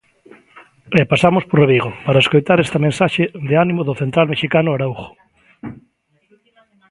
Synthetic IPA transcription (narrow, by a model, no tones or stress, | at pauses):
epasamosporeβiɣopaɾaeskojt̪aɾest̪amẽnsaʃeðeanimoðʊθent̪ɾalmeʃikanʊaɾauxo̥